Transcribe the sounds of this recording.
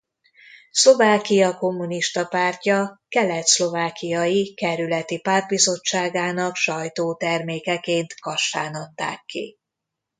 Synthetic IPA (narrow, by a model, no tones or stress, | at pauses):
slo̞vaːkijɒko̞mːuniʃt̪ɒpaːrcɒkɛlɛt̪slo̞vaːkijɒjikɛɾylɛt̪ipaːrd̪̚bizo̞t͡ʃːaːɡaːnɒkʃɒjt̪oːt̪ɛrmeːkɛkeːnt̪kɒʃːa̰ːnɒt̪ːa̰ːkːḭ